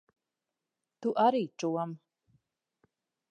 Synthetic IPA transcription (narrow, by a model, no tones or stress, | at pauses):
t̪uʔaɾiːʈ͡ʂʼuwam